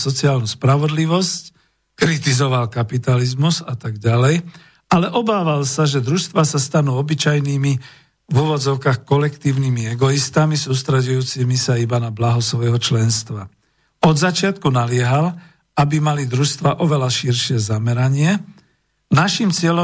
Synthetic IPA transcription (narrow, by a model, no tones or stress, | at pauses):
sɔt͡siaːlnuspɾaʋɔd̪liʋɔsc | kɾit̪izɔʋalkapit̪alizmuzat̪aɡɟalɛj | alɛʔɔbaːʋalsaʒɛd̪ɾuʃst̪ʋasast̪anuːɔbit͡ʃajniːmi | vuːʋɔd͡zɔʊkaxkɔlɛkt̪iːʊnimiɛɡɔist̪amisuːst̪ɾɛɟujuːt͡simisaibanablaɦɔsʋɔjɛɦɔt͡ʃlɛnst̪ʋa | ɔd̪zat͡ʃɪat̪kunalɪɛɦal | abimalid̪ɾuʃst̪ʋaʔɔʋɛlaʃiɾʃɪɛzamɛɾaɲɪɛ | naʃimt͡sɪɛlɔ